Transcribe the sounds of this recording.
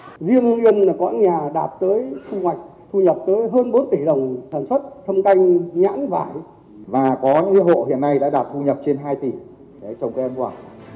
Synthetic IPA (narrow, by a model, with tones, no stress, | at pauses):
zi˧əŋʔi˧ənlaː˨˩kɔ̰˧˥˦nɲaː˨˩ɗaː˨˩p̚t̪əː˨˦jsʊ˧ŋhwa˨˩jk̟̚t̪ʰu˧ɲə˨˩p̚t̪əː˨˦jɦəː˧nɓo˨˦nt̪i˧˩ɗə˨˩wŋ͡msaː˧˩nswə˦˥t̚t̪ʰə˧wŋ͡mka˧jŋ̟ɲa̰ː˧˥nva̰ː˧˩j | vaː˨˩kɔ˨˦ɲɨ̰˧˥ŋʔi˨˧˦ɦo̰˧˨hḭ˧˨ənːa˧jɗa̰ː˧˥ɗaː˨˩p̚t̪ʰu˧ɲə˨˩p̚t͡ɕe˧nɦaː˧jt̪i˧˨˩ | ɗe˨˦t͡ɕɔ˧wŋ͡mkːə˧nkwaː˧˩